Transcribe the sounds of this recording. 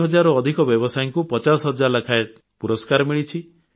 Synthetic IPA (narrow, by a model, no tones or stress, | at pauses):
ɦɔd͡ʒaɾɔːd̪ʱikɔbjɔbɔsajiŋkupɔt͡ʃasɔɦɔd͡ʒaɾlakʰae | puɾɔskaɾɔmiɭit͡ʃʰi